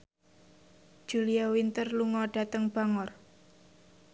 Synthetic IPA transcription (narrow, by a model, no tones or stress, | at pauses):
d̥d͡ʒ̥uliawint̪ərluŋɔɖ̥a̤t̪əŋb̥a̤ŋɔr